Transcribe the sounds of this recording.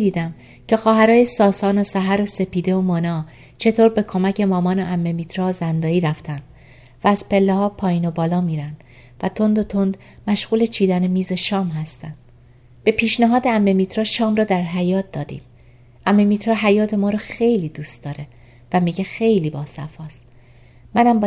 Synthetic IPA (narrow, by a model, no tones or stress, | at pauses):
d̪iːd̪æm | cʰe̞xɒːɦæɾɒːjesɒːsɒːnosæɦæɾose̞pʰiːd̪e̞omonɒː | t͡ʃʰe̞t̪ʰoːɾbe̞kʰo̞mæce̞mɒːmɒːnoʔæmːemit̪ʰɾoːzænd̪ɒːiːɾæft̪ʰænd̪̥ | væːz̥pe̞lːehɒːpʰɒːjiːnobɒːlɒːmiːɾænd̪̥ | væt̪ʰo̞nd̪ot̪ʰo̞nd̪ | mæʃɣ̥uːle̞t͡ʃʰiːd̪ænemiːze̞ʃɒːmɦæst̪ænd̪̥ | b̥e̞pʰiːʃnæɦɒːd̪eæmːe̞miːt̪ʰɾɒːʃɒːmɾɒːd̪æɾɦæjɒːt̪̚d̪ɒːd̪ḭːm | ʔæmːe̞miːt̪ʰɾɒːɦæjɒːt̪ʰe̞mɒːɾɒxe̞jliːd̪uːst̪̚d̪ɒːɾe̞ | væmiːɟexe̞jliːbɒːsæfɒːst̪ | mænæmbɒ